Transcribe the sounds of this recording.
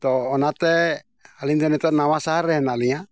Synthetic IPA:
t̪ɔːnat̪ɛ | aliŋd̪ɔnit̪ɔnawasaɾɛɦɛnalia

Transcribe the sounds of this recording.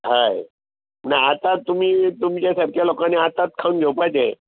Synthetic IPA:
ɦaj | mənaat̪at̪ːum̤iːt̪umt͡ɕjasəɾkʰjalokaneat̪at̪̚kʰaunɡʱewpajt͡sẽ

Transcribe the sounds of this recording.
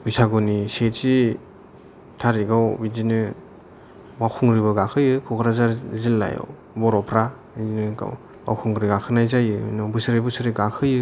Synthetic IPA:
bisaɡɔniset͡ʃi | tʰaɾiɡawbid͡ʒinɯ | bakʰuŋɾibɯɡakʰɯjɯkʰukʰɾazaɾzilːa̰jɔ̰w | bɔɾɔpʰɾa | iinɯa̰w | ba̰wkʰuŋɾiɡakʰɯnajzajɯɯ̰nɔbɯsɯɾibɯsɯɾiɡakʰɯjɯ

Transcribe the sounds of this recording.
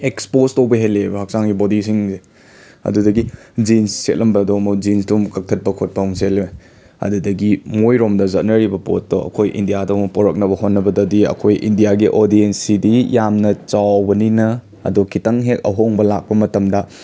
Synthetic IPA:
ekspostowbɐɦelːebɐɦɐk̚saŋɡibodis̬iŋze | ɐ̰dudɐɡid͡ʒinsset̚lʔɐmbɐdomɐd͡ʒinsdumkɐk̚tʰɐt̚pɐkʰot̚pawŋsele | ɐ̰dudɐɡimojɾomdɐzɐt̚nɐɾibɐpotːoʔɐ̰kʰojʔḭndijadomɐpoɾɐk̚nɐbɐhonːɐbɐdɐdiɐ̰kʰojʔḭndijaɡiʔoɾdiensidijamnɐt͡ʃawbɐninɐ | ɐ̰dokitɐŋɦek̚ɐ̰ɦoŋbɐlak̚pɐmɐtɐmdɐ

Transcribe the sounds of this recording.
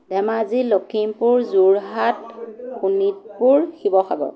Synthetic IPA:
dɛmazilokʰimpuɹzuɹɦatxunit̚puɹxibɔxʰaɡɔ̰

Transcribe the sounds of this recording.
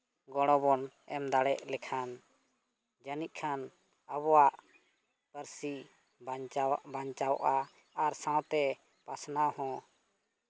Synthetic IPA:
ɡɔɽ̃ɔ̃bɔn | ɛmd̪aɽɛʔlɛkʰan | d͡ʒənic̚ˀkʰan | aβɔwaʔ | pəɾsi | baɲt͡ʃawʔaː | ɾsãwt̪ɛ | pasnahɔ̃

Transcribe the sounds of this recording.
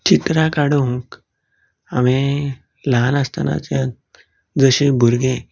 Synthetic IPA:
t͡ɕit̪ɾakaɽuũk | amẽ | lanast̪ana̰t͡sjã | d͡zəɕebʱuɾɡẽ

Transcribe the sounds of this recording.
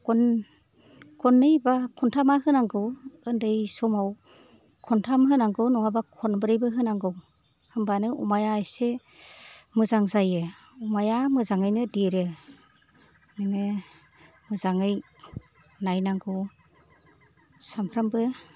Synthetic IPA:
kɔn | kʰɔnːɯjbakʰɔntʰamaɦɯnaŋɡɯwɯndɯjsɔmaw | kʰɔntʰamɦɯnaŋɡɯwnɔŋabakʰɔnbɯɾɯjbɯɦɯnaŋɡɯw | hɯmbanɯʔṵmajaːjse | mɯzaŋzajɯumajamɯzaŋɯjnɯdeɾɯ | nɯŋɯ | mɯzaŋɯj | najnaŋɡɯw | sampʰɾambɯ

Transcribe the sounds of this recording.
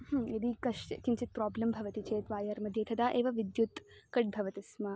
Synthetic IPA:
hɐmed̪ikɐʃkint͡ʃit̪̚pɾɔːblɐmbʱɐʋɐt̪it͡ʃeːt̪ʋaːjɐɾmɐd̪ʱjeːt̪ʰɐd̪aːʔeːʋɐʋid̪jut̪kɐʈ̚bʱɐʋɐt̪isma

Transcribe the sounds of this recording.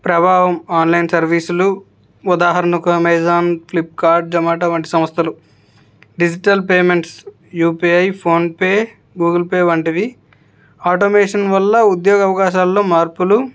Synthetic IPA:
pɾɐbʱaːʋɐmaːnlɐjnsɐɾʋiːsulu | ud̪aːɦɐɾɐnɐkuɐmeːzaːnpʰlip̚ːkaːɾɖ̚d͡ʒɐmaːʈɐʋɐɳʈi̥sɐmɐst̪ʰɐlu | ɖid͡ʒiʈɐlpeːme̞ɳʈs | juːpiɐjpʰoːnpeː | ɡuːɡɐlpeːʋɐɳʈid̪i | aːʈomeːʂɐnʋɐlːɐud̪jɔːɡɐʋɐkaːʃaːlːo̞ːmaːɾpulu

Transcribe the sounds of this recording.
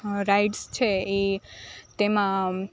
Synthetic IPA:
ɾajʈst͡ʃʰeet̪emã

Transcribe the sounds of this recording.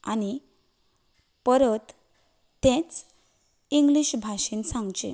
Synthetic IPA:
ani | pəɾət̪ | t̪ɛ̃t͡s | iŋɡliɕbʱaɕiːnsãŋɡt͡ɕḛ̃

